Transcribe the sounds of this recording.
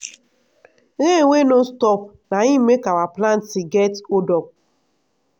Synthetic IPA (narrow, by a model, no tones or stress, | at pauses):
ɣeeŋʷenostɔpnaɲimekawaplan̩tiɡetodɔk̚